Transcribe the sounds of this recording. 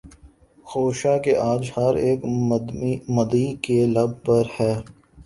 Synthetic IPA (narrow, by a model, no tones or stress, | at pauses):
xoːʃakeʔaːd͡ʒhɐɾeːk | mɐd̪ikelɐb̚pɐɾhɛː